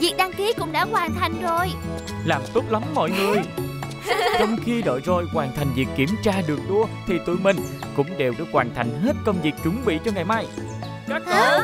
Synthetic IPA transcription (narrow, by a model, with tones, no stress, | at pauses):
vi˨˩ək̚ɗaː˧ŋki˨˦kʊ̰˧˥ŋ͡mɗa̰ː˧˥kwaː˨˩nt̪ʰa˨˩jŋ̟zo˨˩j | laː˨˩mt̪u˦˥p̚la˨˦mmɔ̰˧˨jŋɨ˨˩əj | t͡ɕɔ˧wŋ͡mxi˧ɗə̰ː˧˨jzo˨˩jkwaː˨˩nt̪ʰa˨˩jŋ̟vi˨˩ək̚ːi˧˩əmt͡ɕaː˧ɗɨ˨˩ək̚ɗu˧ət̪ʰi˨˩t̪ɨ̰˧˨mï˨˩ŋ̟kʊ̰˧˥ŋ͡mɗe˨˩wɗɨ̰˧˥kwaː˨˩nt̪ʰa˨˩jŋ̟ɦe˦˥t̚kə˧wŋ͡mvi˨˩ək̚t͡ɕʊ˨˦ŋ͡mɓḭ˧˨t͡ɕɔ˧ŋa˨˩jmaː˧j | t͡ɕə˦˥t̚ə˧